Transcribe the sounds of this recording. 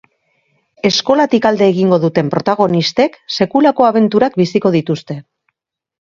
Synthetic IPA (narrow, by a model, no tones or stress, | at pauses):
e̞sko̞lat̪ikald̪e̞ːɣiŋɡo̞ðut̪e̞mpɾo̞t̪aɣ̞o̞nist̪e̞kse̞kulako̞aβ̞e̞nt̪uɾak̚bisiko̞ð̞it̪ust̪e̞